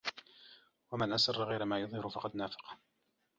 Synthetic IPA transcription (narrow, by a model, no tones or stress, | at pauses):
wamanʔasɑrˤːɑɣajɾamaːjʊðˤhɪɾʊfɑqɑd̪naːfɑ̥q